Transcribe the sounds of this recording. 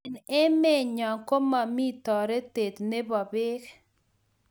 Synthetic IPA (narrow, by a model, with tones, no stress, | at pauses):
nɛ˦me˦ɲɔ˨ŋko˦ma˨mi˦t̪ɔ˨ɾe˦t̪e˨t̪ne˦bɔ˨bɪ˦k